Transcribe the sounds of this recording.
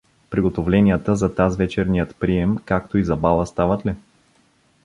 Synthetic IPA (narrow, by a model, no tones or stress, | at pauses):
pɾiɡot̪ovlɛnʲiət̪əzɐt̪azvɛt͡ʃɛɾnijət̪pɾiɛmkakt̪oizɐbalˠəst̪avət̪lɛ